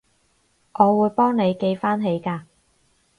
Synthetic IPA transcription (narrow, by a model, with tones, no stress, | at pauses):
ʔɔː˨˧wuː˨˧jpɔː˥ŋne˨˧jke˧jfaː˥nɦe˨˧jkaː˧